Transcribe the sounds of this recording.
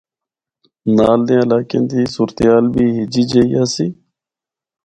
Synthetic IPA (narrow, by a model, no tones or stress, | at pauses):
naːld̪ẽːəlaːkḛ̃ːnt̪iːsuːɾt̪eɦaːlbʱiːɦɪd͡ʒiːd͡ʒəːiːaːsiː